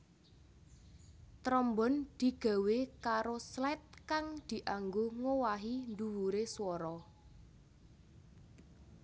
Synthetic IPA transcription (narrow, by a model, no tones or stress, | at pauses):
t̪ɾɔmbɔ̤nd̪̥i̤ɡ̥a̤wekaɾoslɛt̪̚kaŋd̪̥i̤ʔaŋɡoŋowaɦind̪uwuɾeswɔɾɔ